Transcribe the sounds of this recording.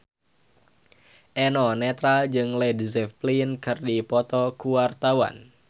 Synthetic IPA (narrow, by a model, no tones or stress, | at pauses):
ʔɛnɔnɛt̪ɾald͡ʒɨŋlɛdisɛplinkɨrdipɔt̪ɔkuwart̪awa̰n